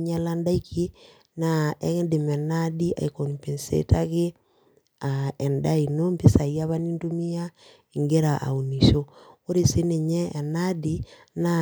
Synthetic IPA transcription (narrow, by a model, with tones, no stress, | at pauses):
ɲa˦la˦nda˦ikʰi˦ | na˨ɛ˦ŋ˦de˨mɛ˨na˦di˦ʔa̰˨iko˨npe˨nsḛ˦ta˦ke˦ | aɛ˨nda˦i˨no˦mpi˦sa˨ja˦βa˦ni˦ntu˦mi˦ja˦ | e˨ŋɡe˦ɾa˨ʔa̰˨u˨ni˨ʃo˦o˦ɾe˨se˦ne˨ɲɛː˦˨na˦di˦ | na